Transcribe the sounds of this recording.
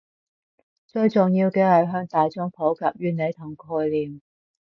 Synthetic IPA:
t͡sɵ˧ɥt͡sʊ˨ŋjiː˧wkɛː˧hɐ˨˧jɦœː˧ŋt̪aː˨jt͡sʊ˥ŋpʰo˨˥wkaː˨˧p̚jyː˥ne˨˧jt̪ʰʊ˨˩ŋkʰɔː˧jliː˨˩m

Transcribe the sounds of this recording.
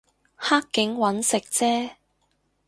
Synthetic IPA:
haː˥kːɪ˨˥ŋwɐ˨˥nsɪ˨k̚t͡sɛː˥

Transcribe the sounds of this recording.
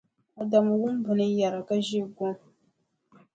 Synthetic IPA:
a˨da˨ma˨wʊ˦m˦bʊ˨nɨ˦ja˨ɾa˨ka˦ʒi˦ɡɔ˦m

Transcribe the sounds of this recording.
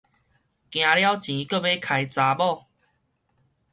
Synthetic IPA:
kj̃ã˨˧lja˦wt͡ɕĩ˨˦kə˥˧˨be˦kʰa˨˧jt͡sa˧bɔ˥˨

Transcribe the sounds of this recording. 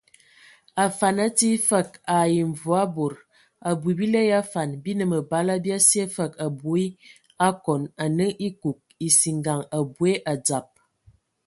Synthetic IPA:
a˨fa˨na˦ti˦fə˦˨k̚a˨ji˨ɱ˨vu˨a˦bo˨ɾ | a˨bu˨i˨bi˦lɛ˦ja˦fa˨nbi˦nə˨mə˨ba˦la˦bja˦si˦e˦fə˨ka˨bo˨˦i˦ | a˦kɔ˨na˨nə˦ŋʔi˦ku˨k̚i˨si˨ŋɡa˨ŋa˨bwe˦ʔa˨d͡za˨p̚

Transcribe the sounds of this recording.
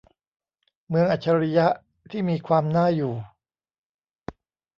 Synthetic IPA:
mɯ˧əŋʔa˨˩t͡ɕʰa˧ɾi˦˥ja˦˥ʔ | t̪ʰiː˥˩miː˧kʰwaː˧mnaː˥˩juː˨˩

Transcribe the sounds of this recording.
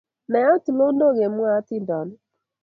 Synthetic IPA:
nɛ˨˦a˦tu˨lo˦no˦˨ɣe˨mu˦a˦tɪ˦˨da˨nʊ˦

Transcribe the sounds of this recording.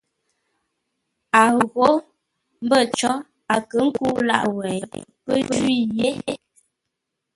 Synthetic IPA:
a˨ɣo˦ | m̩˦bə˦˨t͡ʃɔ˦ | a˨kə˨˦ŋ̩˦ku˦la̰˦ʔwɛ˨pə˦i˦˨je˦

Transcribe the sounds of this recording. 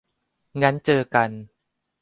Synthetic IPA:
ŋa˦˥nt͡ɕɤː˧ka˧n

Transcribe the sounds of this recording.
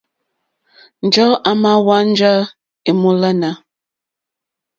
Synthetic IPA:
n̩˨d͡ʒɔ˦ʔa˨ma˦wa˦n̩˦d͡ʒa˦ | e˨mo˦la˦na˨˦

